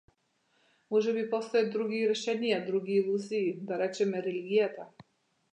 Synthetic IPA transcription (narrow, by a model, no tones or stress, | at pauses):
mɔʒɛbipɔst̪ɔjad̪ɾuɡiɾɛʃɛnijad̪ɾuɡiːlˠuziːd̪aɾɛt͡ʃɛmɛɾɛliɡʲijat̪a